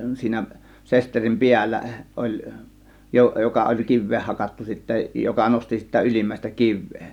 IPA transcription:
siːnæ sesterim piælːæ olʲ jo jokɑ olʲ kiʋːeːh hɑkɑtːu sitːæ jokɑ nosti sitæ ylimːæˑe̝stæ kiʋˑeː

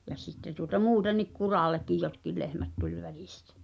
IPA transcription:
jɑ sitːe tuotɑ muːtenːik kurɑˑlˑekːij jotkil lehmæt tulʲ ʋæli̥stæ̥

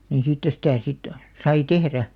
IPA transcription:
ni siːtːæ sitæˑ sit sɑi tehræ

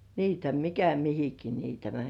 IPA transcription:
niːtæ mikæ mihiki niːtæ mænʲ

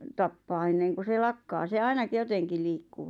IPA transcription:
tɑpːɑː enːeŋku se lɑkːɑː se ɑinɑk joteŋki liːkːu

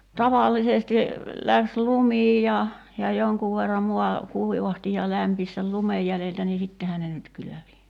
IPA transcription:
tɑʋɑˑlːisesti læks lumiːj jɑ jɑ joŋkuʋ ʋerːɑm muɑ kuiʋɑhti jɑ læmpis sel lumej jæleltæ niː sitːehæ ne nyt kyløʋi

